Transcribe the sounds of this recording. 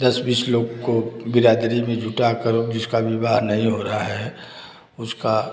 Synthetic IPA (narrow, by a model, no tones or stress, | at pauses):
d̪ɐsbiːsloːɡkobɪɾaːd̪ɾimẽd͡ʒʱʊʈakəɾod͡ʒɪskaʋɪbaːɾnɐɦĩɦoːɾaɦaɦɛ | ʊska